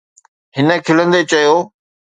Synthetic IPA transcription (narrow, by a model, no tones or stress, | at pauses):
ɦɪnə̆kʰɪlə̃nd̪et͡ɕɐjoː